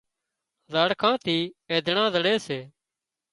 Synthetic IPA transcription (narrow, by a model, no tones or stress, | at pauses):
zaːɽkʰãːt̪ʰiːeːd̪ʱɳãːzəɽeːseː